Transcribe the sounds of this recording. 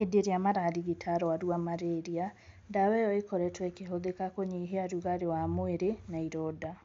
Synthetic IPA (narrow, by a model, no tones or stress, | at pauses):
edeɾeamaɾaɾiɣitʰaɾɔwaɾuamaɾeɾia | dawɛjɔekɔɾɛtwɛkeɦoðekakoɲiɦeaɾuɣaɾewamoeɾenaiɾoːda